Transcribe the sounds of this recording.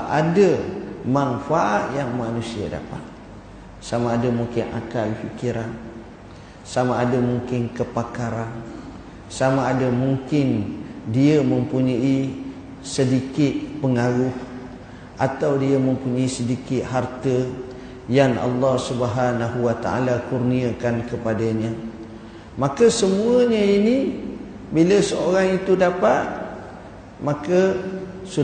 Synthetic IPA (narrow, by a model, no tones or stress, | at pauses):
ʔadəmanfaʔat̪̚jaŋmanũsia̰da̰pa̰t̪̚ | samaːdamuŋkɪnʔa̰kalfikiɾan | samaːdamuŋkɪnkəpakaɾan | samaːdəmuŋkɪndiəməmpuɲai | sədikɪt̪̚pəŋaɾʊh | ʔat̪awdiəməmpuɲaisədikɪt̪̚ɦart̪ə | jaŋɑ̰lːɑhsubəɦanaɦuwat̪a̰a̰lakurniakankəpadaɲã | mãkəsəmũəɲəini | biləsəoɾaŋit̪udapat̪̚ | mãkəsu